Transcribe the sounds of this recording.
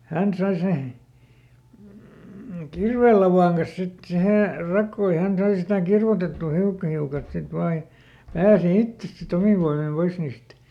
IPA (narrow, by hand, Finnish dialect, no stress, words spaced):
hæn sɑi se kirʋeˑlːɑʋɑˑŋ kɑs sit siheˑ rɑkːoː jɑ hæn sɑi sitæ kirʋotetːuˑ hiukːɑ hiukɑlt sit ʋɑː j̆ɑ̆ pæːsi itːes sit omiʋ ʋoimim pois niːst